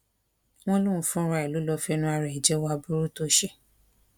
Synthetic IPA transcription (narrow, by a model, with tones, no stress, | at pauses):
w̃ɔ̃˦lũ˦˨fũ˦˧ɾa˧˨i˨lu˨˦lɔ˧fɛ˧nũ˧˦a˧ɾɛ˨i˨d͡ʒɛ˨˦wa˧bu˦ɾu˦to˧˦ʃe˦